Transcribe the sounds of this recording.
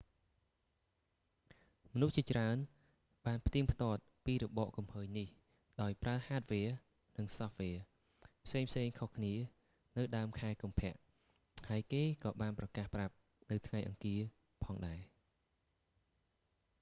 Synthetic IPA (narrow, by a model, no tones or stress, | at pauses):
mɔnuht͡ɕiət͡ɕraən | ɓaːnpʰt̪iəŋpʰt̪ŏət̪̚piːɾɔɓɑːʔkumhəːjnih | ɗaɔjpraəhaːt̪̚ʋɛːə | nɨŋsɑhʋɛːə | pʰseːŋpʰseːŋkʰohkʰniə | nɨwɗaəmkʰaɛkumpʰɛ̆əʔ | haəjkeːkɑːɓaːnprɑkaːhprap̚ | nɨwt̪ʰŋajʔɑ̰ŋkiə | pʰɑːŋɗaɛ